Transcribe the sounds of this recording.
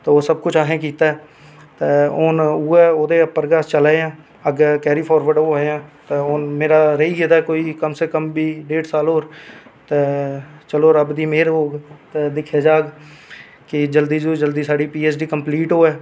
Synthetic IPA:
t̪ooːsəb̚kʊt͡ʃʰaːɦẽk̬iːt̪aɦɛː | t̪eoːnueoːd̪epəɾɡaːst͡ʃəlaːjãː | əɡkɛːɾiːpʰɔːɾʋəɾɖoːɛjãːt̪eoːnmeːɾaɾeiɡet̪aɛkoːikəmsekəmbʱiːɖeːʈsaːloːɾt̪et͡ʃəloːɾəbd̪iːmeːɾoːɡt̪ed̪ɪkʰeːd͡ʒaːɡ | kid͡ʒəld̪iːd͡ʒoːd͡ʒəld̪iːsaːɽipiːeːsɖiːkə̃mpliːʈɦoːɛː

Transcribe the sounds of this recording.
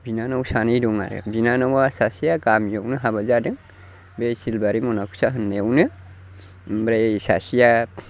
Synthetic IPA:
binanawsanijduŋa̰ɾɯ̰binanawasasijakamjewnɨɦabad͡ʒadɯŋ | besilbaɾimonakʰu̥saɦɯnːewnɯ | bɾesasija

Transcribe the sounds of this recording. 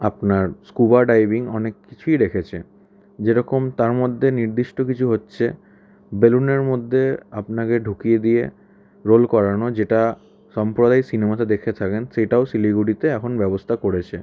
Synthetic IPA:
apnaɾskubaɖajbiŋɔnekːi̥t͡ɕʰujd̪ekʰet͡ɕʰe | d͡ʑeɾɔkomt̪aɾmod̪ʱːeniɾd̪iʃʈokit͡ɕʰuɦotːɕʰḛ | beluneɾmod̪ʱːeapnakeɖʱukijed̪ije | ɾolkɔɾanod͡ʑeʈa | ʃɔmpɾod̪ajsinemat̪ad̪ekʰet̪ʰakensejʈaosiliɡuʈit̪eɛkʰonbɛbost̪ʰakoɽet͡ɕʰe

